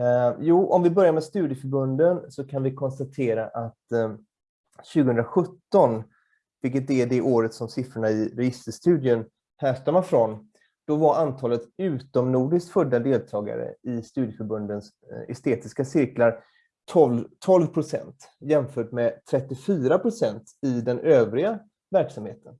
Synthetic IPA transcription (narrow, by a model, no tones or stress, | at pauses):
juːʔɔmvɪbœɾjaɾmɛst̪ʉːd̪jəfœɾbɵnd̪ənsɔkʰanvɪkʰɔnst̪at̪ʰeːɾaʔat̪ | ɕʉ̟ːɡəɵnd̪ɾaɧɵt̪ːɔn | vɪlkːət̪̚d̪ɛæɖ̪ɛʔoːɾət̪sɔmsɪfɾʊɳaɪɾɛjɪst̪əʂt̪ʉ̟ːd̪jən | hæːʂʈamafɾɔn | d̪̥ɔvaɾʔant̪ʰɑːlət̪ʉ̟ːt̪ɔmnuːɖɪsk̪fɵd̪ːad̪eːlt̪ʰɑːɡa̰ɾə̰ɪst̪ʉ̟ːd̪jəfœɾbɵnd̪əns | ɛ̰st̪eːt̪ɪskasɪɾklaɾ | t̪ʰɔlt̪ʰɔlvpʰɾʊsɛ̰nt̪ | jɛmfœːʈmɛt̪ʰɾɛt̪ːɪfyːɾapʰɾʊsɛnt̪ɪd̪ɛnʔøːvɾɪɡa | væɾksamheːt̪ən